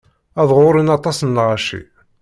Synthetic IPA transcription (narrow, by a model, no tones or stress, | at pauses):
æðˤʁʊɾˤinɑt̪ˤɑsənːʁaʃḭ